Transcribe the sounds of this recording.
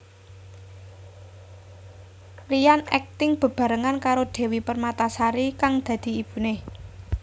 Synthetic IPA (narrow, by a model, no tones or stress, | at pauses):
rijanɛ̰k̚t̪ɪŋb̥ə̤b̥ä̤ɾəŋankaɾoɖ̪̥e̤wipərmat̪asaɾikaŋd̪̥ä̤d̪̥i̤ib̥ṳne